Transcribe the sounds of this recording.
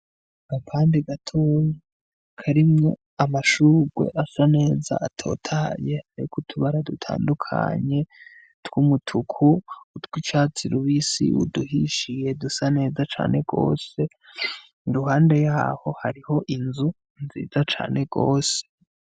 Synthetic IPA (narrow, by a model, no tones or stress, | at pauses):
apʰaːndiɡatʰoje | kʰaɾimŋo̞ | amaʃuːɡwe̞̰ʔasane̞ːza̰atʰo̞̰ːtʰaːje̞aɾikʰutʰuβaɾadutʰa̰ːndukʰa̰ɲe̞ | twumutʰukʰuutwit͡ʃaːt͡siɾuβisḭṵduhiʃije̞dusane̞ːzat͡ʃa̰ːnʔe̞ɡo̞̰ːse̞ | ɾuhaːnde̞jaːho̞haɾiho̞ʔinzu | nzḭːzat͡ʃa̰ːne̞ɡ̥o̞ːse